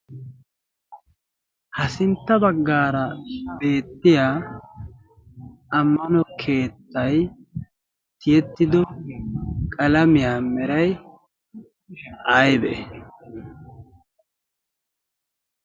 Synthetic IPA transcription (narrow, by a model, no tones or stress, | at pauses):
hɐsɪnt̪ːɐbɐɡːaːɾɐbe̞ːt̪ːɪjaː | ɐmːɐnɔkʰe̞ːt̪ːɐj | t̪ɪjɛt̪ːɪd̪ɔ | kʼɐlɐmɪjaːmɛɾɐj | ɐjbɛʔ